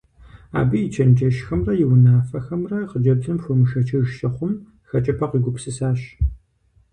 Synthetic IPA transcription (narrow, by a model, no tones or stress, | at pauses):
a̰ːbɨjɪt͡ʃʰɐnd͡ʒɐʃxɐmrɐjɪwnaːfɐxɐmrɐqəd͡ʒɐbzʼɨmfʷʊmɨʃɐt͡ʃʰɐʒʃɐχʷʊm | xɐt͡ʃʼɐpʰɐqiːɡʷʊpsɨsaːʃ